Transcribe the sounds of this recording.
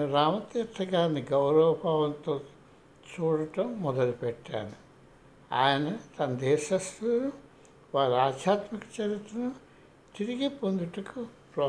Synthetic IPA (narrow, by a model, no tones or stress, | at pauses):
ɐɾaːmɐt̪et̪ʰːɐɡaːɾniɡɐwɾɐʋɐbʱaːʋɐnt̪oː | t͡ʃuːɽɐʈɐmːɔd̪ɐlupɛʈːa̰ːnu | a̰ːjɐnɐt̪ɐnɐd̪ɛːʃɐst̪u | ʋaːɾaːd̪jaːt̪mɐkɐ̥t͡ʃɐɾit̪ːɐnɐ | t̪iɾiɡipond̪uʈɐku | pɾoː